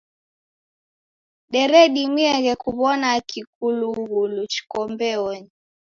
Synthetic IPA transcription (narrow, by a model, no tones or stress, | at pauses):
ɗɛɾɛɗimwiɛɣɛkuβɔnakik̚uluɣulut͡ʃi̥kɔmbɛɔɲi